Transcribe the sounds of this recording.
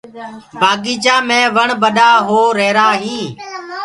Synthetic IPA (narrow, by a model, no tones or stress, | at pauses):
bʱaːɡiːd͡ʒãːmẽːʋəɳbəɗaːɦoːɾeːɾaːɦĩː